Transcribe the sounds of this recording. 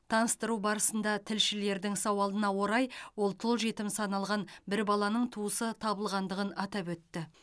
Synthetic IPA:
t̪ʰɑnəst̪əɾubɑɾəsənd̪ɑt̪ʰɪlʃɪle̞ɾd̪ɪŋsɑwɑlˠənɑwo̞ɾɑjwo̞lˠt̪ʰʊlˠʒe̞t̪ɪmsɑnɑlˠʁɑnbɪɾbɑlˠɑnəɴt̪ʰuəsət̪ʰɑbəlˠʁɑnd̪əʁənɑt̪ɑpwɵt̪ːɪ

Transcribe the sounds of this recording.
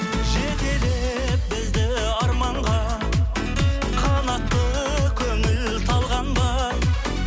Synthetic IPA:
ʒet̪e̞le | p̚bɪzd̪ɪ | ɑɾmɑɴʁɑ | qʰɑnɑq̚t̪ːə | kʲʰɵŋɪl | t̪ʰɑlˠʁɑnb̪ɑ

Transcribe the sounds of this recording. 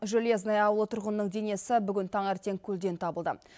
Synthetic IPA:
ʒolieznɑjɑwəlˠət̪ʰʊɾʁənənəɴd̪e̞ne̞sɪbʏɡʲɪnt̪ʰɑɴeɾt̪e̞ŋkʲʰɵld̪e̞nt̪ʰɑbəlˠd̪ə̰

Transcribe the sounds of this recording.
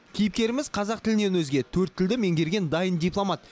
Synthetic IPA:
kʲʰijɪp̚kʲe̞ɾɪmɪzqʰɑzɑq̚t̪ɪlɪne̞nwɵzɡʲe̞t̪ʰɵɾt̪ʰːɪld̪ɪme̞ŋɡʲe̞ɾɡʲe̞nd̪ɑjənd̪ʲijplˠomɑt̪

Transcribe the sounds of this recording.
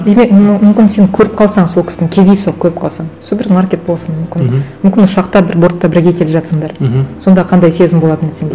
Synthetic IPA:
d̪e̞me̞k̚mʏmkʲɪnseŋkʲʰɵɾɪp̚qʰɑlˠsɑɴsokʲɪ̥sɪnɪŋkʲʰe̞zd̪e̞j̪oq̚kʲʰɵɾɪp̚qʰɑlˠsɑɴsobɪɾmarkʲe̞t̪̚bo̞lˠsənmʏmkʲɪnnmʏmkʲɪnʊʃɑqt̪ɑbɪɾbo̞ɾt̪ːɑbɪɾɡʲe̞kʲʰe̞lɪpʒɑt̪səɴd̪ɑɾso̞nd̪ɑqʰɑnd̪ɑjse̞zɪmbo̞lˠɑt̪ənesend̪e

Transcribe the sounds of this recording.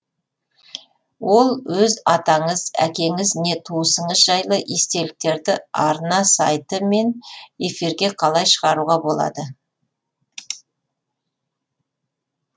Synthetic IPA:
wo̞lˠwɵzɑt̪ɑɴəzæ̰kʲe̞ŋɪzne̞t̪ʰuəsəɴəsʒɑjlˠəʔist̪e̞lɪk̚t̪e̞ɾd̪ɪɑɾənɑsɑjt̪əme̞ne̞fiɾɡʲe̞qʰɑlˠɑjʃəʁɑɾuʁɑbo̞lˠɑ̰d̪ə

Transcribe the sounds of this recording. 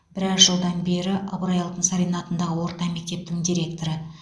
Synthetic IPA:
b̥ɪɾɑɾʒəlˠd̪ɑnbe̞ɾɪʔɑbɾɑjɑlˠt̪ənsɑɾijnɑt̪ənd̪ɑʁəwo̞ɾt̪ɑme̞k̚t̪e̞p̚t̪ɪŋd̪iɾe̞k̚t̪o̞ɾə

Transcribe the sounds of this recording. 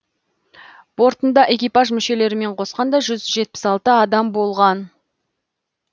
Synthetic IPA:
b̥o̞ɾt̪ənd̪ɑʔe̞kʲijpɑʒmʏʃe̞le̞ɾɪme̞ɴqʰo̞sqɑnd̪ɑʒʏzʒe̞t̪̚pɪ̥sɑlˠt̪əɑd̪ɑmbo̞lˠʁɑn

